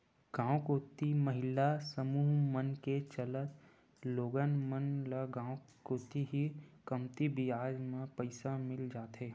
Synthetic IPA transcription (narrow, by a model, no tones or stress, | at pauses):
ɡ̥ãːwkoːt̪iməɦɪlasəmuːɦmənket͡ʃələt̪ | loːɡənmənləɡãːwkoːt̪iɦikəmt̪ibiaːd͡ʒmẽpəɪsamɪld͡ʒaːt̪ɦeː